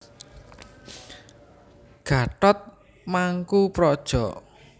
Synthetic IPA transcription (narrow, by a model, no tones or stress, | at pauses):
ɡ̥a̤ʈɔt̪̚ | maŋkupɾɔd̥ʒ̥ɔʔ